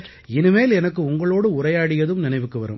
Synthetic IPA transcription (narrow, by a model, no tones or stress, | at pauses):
ɪnɯmeːlɛnɐkːɯʊŋɡɐɭoːɽɯʊrɐjaːɽɪjɐðɯmnɪnɐɪʋɯkːɯʋɐ̰ɾɯ̰m